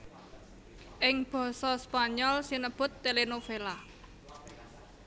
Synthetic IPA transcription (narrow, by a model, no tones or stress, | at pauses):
ʔɪŋb̥ɔ̤sɔspaɲɔlsinəb̥ʊ̤t̪ːelenofela